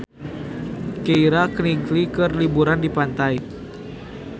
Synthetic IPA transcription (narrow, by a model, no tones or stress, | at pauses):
keiɾakniŋklikɨrlibuɾandipant̪aj